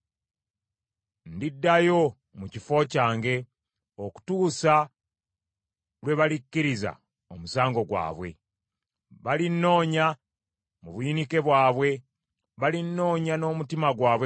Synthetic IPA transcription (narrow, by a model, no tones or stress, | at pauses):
ndidːajo̞ | mucifo̞ːcaːŋɡe̞ | oku̥tuːsa | lwe̞βalicːiɾiza̰ | omusaːŋɡo̞ɡwa̰ːβwe̞̰ | βalinːo̞ːɲa | muβuinike̞βwaːβwe̞ | βalinːo̞ːɲano̞ːmutimaɡwaːβwe